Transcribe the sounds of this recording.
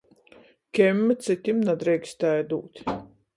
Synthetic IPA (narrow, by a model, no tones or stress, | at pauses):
kʲɛmʲːɛt̪sʲɨt̪ʲimnad̪ɾɛjksʲt̪ʲajd̪uːt̪ʲ